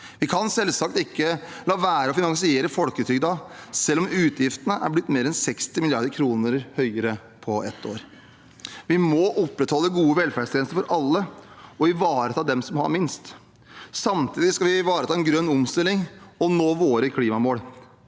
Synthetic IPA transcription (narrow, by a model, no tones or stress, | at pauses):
ʋɪkʰɑnsɛlsɑk̚t̪ɪkːəlɑːʋæːɾəɔfɪnɑŋsɪeːɾəfɔlkət̪ʰyːɡd̪ɑsɛlːɔmʉːt̪ʰjɪft̪ənəʔæ̰ɾblɪt̪ːmeːɾɛnsɛkst̪ɪmɪlɪɑɾd̪əɾkʰɾuːnəɾhœʏəɾə | pʰɔɛt̪ʰːo̰ːɾ | ʋɪmɔʔɔpːɾɛt̪hɔlːəɡuːəʋɛlfæɖʂt̪ʰɛːnst̪əɾfɔɾʔɑlːəɔɪʋɑːɾət̪ʰɑːd̪ɛmsɔmhɑ̰ɾmɪnst̪ | sɑmt̪ʰiːd̪ɪskɑlʋɪʋɑːɾət̪ʰɑːɛnɡɾœnːɔmst̪ɪlːɪŋɔnoːʋoːɾəkʰliːmɑmoːl